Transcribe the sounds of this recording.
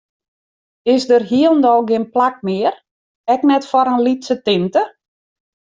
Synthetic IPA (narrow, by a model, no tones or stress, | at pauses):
ɪsdərɦiəlˠndɔlˠɡɪnplak̚mɪər | ɛknɛtfɔɾənlitsətɪntə